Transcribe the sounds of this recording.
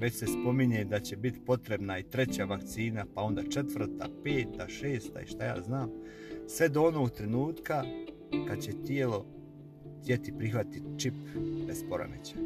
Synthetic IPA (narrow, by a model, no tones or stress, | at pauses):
ʋe̞t͡ɕse̞spo̞miɲed̪at͡ɕe̞bit̪i̥po̞t̪ɾe̞bnait̪ɾe̞t͡ɕaʋakt̪siːnapao̞nd̪at͡ʃe̞t̪ʋr̩t̪a̰pe̞ːt̪aʃe̞ːst̪a̰ḭʃt̪aja̰ːznaːm | sʋe̞d̪oono̞ːɡt̪ɾe̞nuːt̪ka | kad̪t͡ɕe̞t̪ie̞lo̞ | t̪ʲje̞t̪ipɾixʋat̪it̪t͡ʃipbespoɾo̰met͡ɕḁ